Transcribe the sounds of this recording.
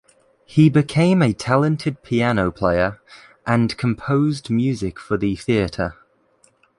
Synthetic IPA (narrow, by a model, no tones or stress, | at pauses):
hibɪkʰẽɪ̃mətʰalə̃ntʰɪd̚pʰianoʊpʰl̥eɪəɹ | ʔə̃nkʰə̃mpʰoʊzdmjʉːzɪkfəðəθiətʰə